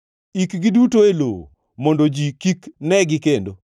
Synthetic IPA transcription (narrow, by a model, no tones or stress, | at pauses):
ikɡɪdutoelo̰ | mɔndod͡ʒikiknɛɡɪkendo